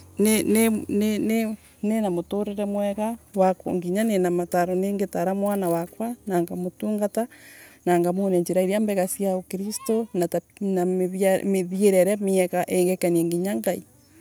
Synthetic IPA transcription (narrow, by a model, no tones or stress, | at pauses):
nenenene | nenamotoɾeɾɛmwɛɣawako̰ŋɡiɲanenamataɾoneŋɡetaɾamwanawakwanaːŋɡamotuːŋɡatanaːŋɡamoneɲd͡ʒeɾaiɾiambɛɣasjaokiɾistonatanamemeðjeɾɛɾɛmeɛkaʔeŋɡekanieŋɡiɲaŋɡai